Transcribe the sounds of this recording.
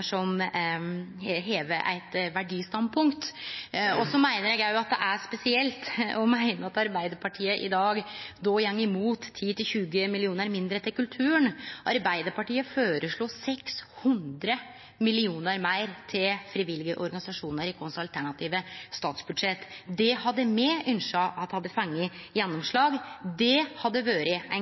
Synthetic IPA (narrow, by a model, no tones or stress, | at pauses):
ʂɔm | ɦeːʋəʔæ̰ɪt̪ʋæɖiːst̪ɑnd̪pʰʊŋkt̪ | ɔsɔmæɪnəɾjɛɡjæɪjʊɑt̪̚d̪ɛ̰ʔæʂpɛsɪɛlt̪ɔmæɪnəɑt̪ɑɾbæɪd̪əɾpʰɑʈʰiːəʔɪd̪ɑːɡd̪oːjɛŋːɪmuːt̪ʰːiːt̪ʰɪlçʉːɡəmɪlɪuːnəɾmɪnd̪ɾət̪ʰɪlkʉlt̪ʰʉːəɳʔɑɾbæɪd̪əɾpɑʈiːəføːɾəʂɭuːsɛkshʉnd̪ɾə | mɪlɪuːnəɾmæɪɾt̪ʰɪlfɾiʋɪlɪɡəʔɔɾɡɑnɪsɑʂuːnəɾɪkʰɔnsɑlt̪ʰæɳɑt̪ʰiːʋəst̪ɑːt̪sbʉd̪ʂɛt̪ːd̪ɛhɑd̪ːəmɛʔʏnʂɑʔɑt̪d̪hɑd̪ːəfɑŋːəjɛnːɔmʂɭɑːɡd̪ɛhɑd̪ːəʋøːɾəæ